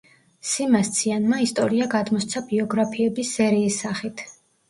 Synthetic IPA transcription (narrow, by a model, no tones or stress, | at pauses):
simast̪sʰianmaist̪ʼɔɾiaɡad̪mɔst̪sʰabiɔɡɾapʰiɛbisːɛɾiːsːaχit̪ʰ